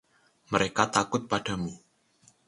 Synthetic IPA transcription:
məɾekat̪akʊt̪̚pad̥a̤mu

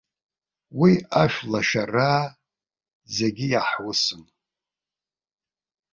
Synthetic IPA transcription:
wiaʃʷᶣlaʃara | zeɡʲijaħwʊsɨm

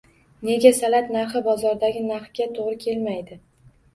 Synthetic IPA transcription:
ne̞ɡʲasalat̪naɾχɪbɒzɒɾd̪aɡʲɪnaχfɡʲat̪ʰoʁɾɪkʲʰe̞lmajd̪ɪ

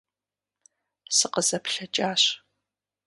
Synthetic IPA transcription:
sɨqəzɐpɬɐt͡ʃʼaːɕ

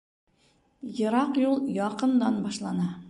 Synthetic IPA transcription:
jɤ̆ɾɑqjulˠjɒqɤ̆nd̪ɑnbɒʃlˠɑnɑ

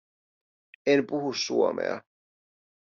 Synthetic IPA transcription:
enpuɦusːuomḛɑ̰

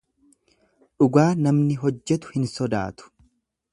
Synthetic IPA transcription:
ᶑʊɡaːnɐmnɪɦɔd͡ʒːɛt̪ʊ̥hɪnsɔd̪a̰ːt̪ʊ̥

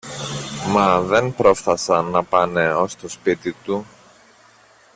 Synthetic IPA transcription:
mɐðe̞npɾo̞fθɐsɐnːɐpɐne̞o̞st̪o̞spit̪it̪u

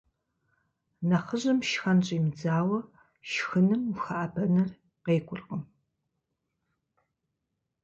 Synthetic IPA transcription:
nɐχəʑɪmʃxɐnt͡ʃʼjmd͡zaːwɐ | ʃxɨnɨmxaʔːbʰɐnɐr | qeːkʷʼʊrqəm

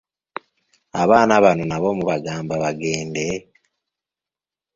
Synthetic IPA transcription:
aβaːnaβanonaβo̞muβaɡaːmbaβaɡe̞ːnde̞

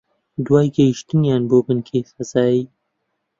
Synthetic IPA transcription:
d̪waːjɡɐjiʃt̪ɨnjaːnboːbɨnkʰeːsɐzaːiː

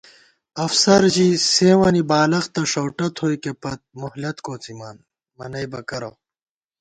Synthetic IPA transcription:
ɐfsɐɾd͡ʑiseːwɐnibaːlɐxt̪ɐʂɐwʈɐt̪ʰhoikepɐt̪̚muhlɐt̪koːt͡simaːn | mɐnɐjbɐkɐɾo̰

